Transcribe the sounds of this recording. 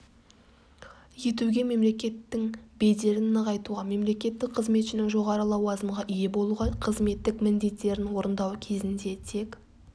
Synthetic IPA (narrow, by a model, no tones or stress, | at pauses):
je̞t̪uɡʲe̞me̞mle̞kʲe̞t̪ːɪŋbe̞d̪e̞ɾɪnːəʁɑjt̪uʁɑme̞mle̞kʲe̞t̪ːɪk̚qʰəzme̞t̪ʃɪnɪŋʒo̞ʁɑɾəlˠɑwɑzəmʁɑʔije̞bo̞lˠuʁɑqʰəzme̞t̪ːɪkmɪnd̪e̞t̪ːe̞ɾɪnwo̞ɾənd̪ɑwkʲʰe̞zɪnd̪e̞t̪ʰe̞k